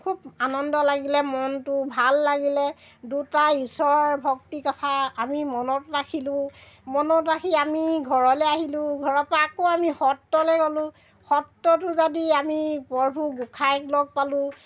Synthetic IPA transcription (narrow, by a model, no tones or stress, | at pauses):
kʰubanɔndɔlaɡilɛmɔntʊbʱalːaɡilɛ | dutaisɔɹbʱɔk̚tikɔtʰaːmimɔnɔtɹakʰilʊ̃ | mɔnɔtɹakʰiamiɡʱɔɹɔlɛaɦilʊ̃ɡʱɔɹɔpakoamihɔtːɔlɛɡɔlʊ̃ | hɔtːɔtʊzadiamipɔɹbʱuɡukʰajklɔɡ̚palʊ̃